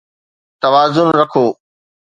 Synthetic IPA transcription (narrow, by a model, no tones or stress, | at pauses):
t̪ɐʋaːzʊnɾɐkʰoː